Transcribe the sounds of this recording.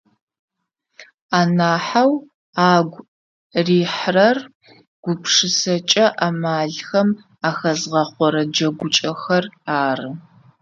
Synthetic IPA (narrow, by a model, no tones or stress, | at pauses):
aːnaːħaw | aːɡʷ | riːħrɐr | ɡ̥ʷʊpʰʂɨsɐt͡ʃʼɐʔamaːɮxɐm | axɐzʁɐχʷɔɾɐd͡ʒɐɡʷʊt͡ʃʼɐxɐraːrɨ